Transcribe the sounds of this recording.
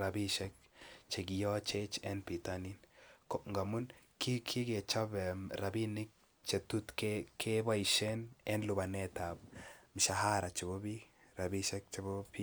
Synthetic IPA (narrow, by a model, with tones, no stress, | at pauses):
ɾa˨bi˦ʃɛ˦k̚t͡ʃe˨ɡi˨jɔ˦t͡ʃet͡ʃɛ˦npi˨t̪aninko˨ŋɡa˨mu˦nki˦kʰi˦ɡe˨t͡ʃa˦bɾa˨bi˦ni˦k̚ | t͡ʃe˨t̪u˦t̪kekʰe˦ba˦i˨ʃe˦nɛ˦nlu˨ba˨ne˦t̪a˨b̚m˨ʃa˨ɦa˦ɾa˨t͡ʃe˨bo˦bi | ɾa˨bi˦ʃɛ˦k̚t͡ʃe˨bo˦pi˦